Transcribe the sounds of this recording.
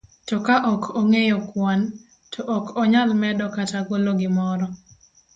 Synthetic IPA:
tɔkaʔɔkʰoŋejɔkwan | tʰɔʔɔkɔɲalmɛdɔkatakoloɡɪmɔɾɔ

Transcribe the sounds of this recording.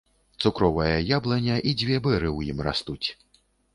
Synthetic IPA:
t̪sukɾɔvɐjɐjablˠɐnʲɐʔid͡zʲvʲɛbɛɾɨwjimra̰st̪ut͡sʲ

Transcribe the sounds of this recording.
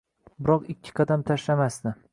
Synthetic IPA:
bɪɾɒqɪkʲʰːɪ̥qʰɑd̪amt̪ʰaʃlamasd̪ɪ

